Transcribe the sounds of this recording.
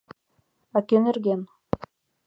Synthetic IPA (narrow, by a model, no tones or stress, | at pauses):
akenɘ̆rɡʲen